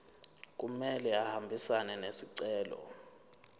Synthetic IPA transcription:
k̬umɛlɛahambʱisanɛnesiǀɛːlɔ̰

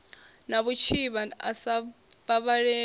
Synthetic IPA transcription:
naβut͡ʃʰiβaa̰sa | baβaɺɛ

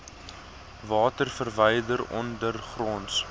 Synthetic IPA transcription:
vɑːtərfərvəjdəɾɔ̰ndərχrɔːns

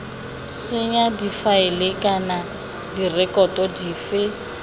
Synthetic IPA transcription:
sɪɲadifaɪlekʼana | dirɛkʼɔtʼɔdiːfɪ

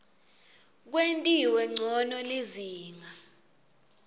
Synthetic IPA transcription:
k̬wentʼiwɛŋ͡ǀʱɔnɔliziːŋa

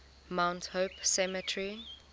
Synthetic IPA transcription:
mãwnthopsɛmətʰɹi

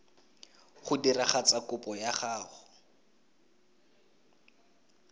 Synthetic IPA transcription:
χʊdiraχat͡sakʊpʼɔjaχaːχʊ

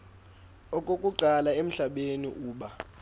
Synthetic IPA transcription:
ɔkʼokʼuǃalaem̩ɬaɓenḭʔuːɓa

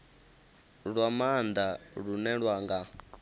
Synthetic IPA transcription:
ɺwamand̪aɺunɛɺwaŋɡa

